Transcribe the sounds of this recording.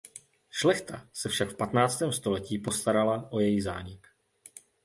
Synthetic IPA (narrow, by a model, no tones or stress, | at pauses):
ʃlɛxt̪a̰sɛfʃakfpat̪naːt͡st̪ɛːmst̪o̞lɛciːpo̞st̪aɾalaʔo̞jɛjɣza̰ːɲɪk